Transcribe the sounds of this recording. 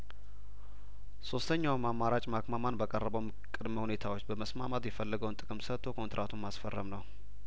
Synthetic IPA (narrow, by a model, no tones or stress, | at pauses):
so̞st̪ʰəɲːawmamːaɾat͡ʃʼmakmamanbəkʼərːəbəwm | kʼːɨd̪məhune̞t̪ʰawot͡ʃːbəməsmamat̪jɛfəlːəɡəwnt̪ʼɨkʼɨmsət̪ʰːo̞kʰo̞nt̪ɾʔat̪ʰummasfərːəmnəw